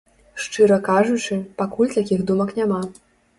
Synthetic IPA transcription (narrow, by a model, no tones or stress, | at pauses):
ʂt͡ʂɨɾɐkaʐut͡ʂɨpakulʲt̪akʲiɣd̪umɐknʲama